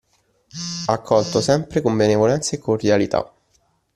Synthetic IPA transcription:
akʰːɔlt̪osɛmpɾekombenevolɛnt̪sekːord̪jalit̪ʰa̰

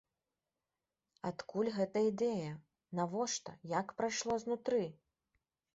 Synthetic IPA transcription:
at̪kulʲɣɛt̪ɐid̪ɛjɐ | navɔʂt̪ɐ̰jakpɾajʂlˠɔznut̪ɾɨ

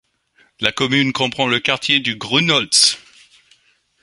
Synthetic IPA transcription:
lakɔmynkɔ̃pχɑ̃ləkaʁt̪ʰjed̪yɡʁunɔld̪s

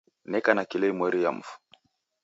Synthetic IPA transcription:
nɛkanakilɛmwɛɾija̰m̩fu̥

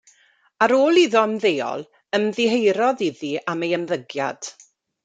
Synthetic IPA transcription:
aɾoːlˠiðɔənðeːɔ̰lˠ | əmðɪɦejɾɔðiðiamejəmðəɡja̰d̥

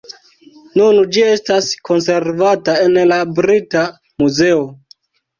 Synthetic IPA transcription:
nund͡ʒie̞stasko̞nse̞ɾvatae̞nlabɾita | muze̞o

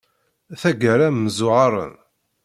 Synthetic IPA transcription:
θæɡəɾæmːəzʊʁɑɾˤə̰n

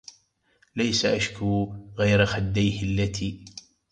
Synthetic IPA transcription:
lajsaʔaʃkuːɣajɾaxad̪ːajhɪalːat̪ʰiː

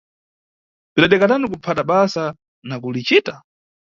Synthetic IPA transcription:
piɗaɗɛkatanik̬upʰataɓasa | nak̬ulit͡ʃiːta

